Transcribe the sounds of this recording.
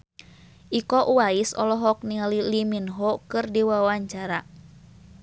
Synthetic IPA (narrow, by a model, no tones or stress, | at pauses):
ʔikɔʔuwaisɔ̰lɔɦɔk̚nililiminɦɔkɨrdiwawaɲt͡ʃaɾa